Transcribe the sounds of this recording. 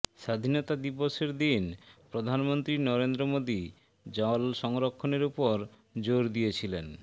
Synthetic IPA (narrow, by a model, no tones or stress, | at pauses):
ʃad̪ʱinot̪ad̪iboʃeɾd̪inpɾod̪ʱanmont̪ɾinɔɾend̪ɾomod̪i | d͡ʑɔlʃɔŋɾokʰːoneɾupoɾ | d͡ʑoɾd̪ijet͡ɕʰilen